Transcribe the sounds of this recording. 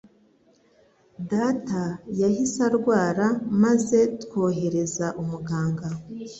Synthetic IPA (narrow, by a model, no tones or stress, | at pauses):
datajahisaɾɡwaːɾamaze̞tkwo̞ːɦe̞ɾe̞zaʔumuɡaːŋɡa